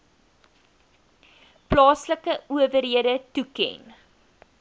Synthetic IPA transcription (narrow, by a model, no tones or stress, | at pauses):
plɑːsləkəuəvərɦiədətukɛ̰n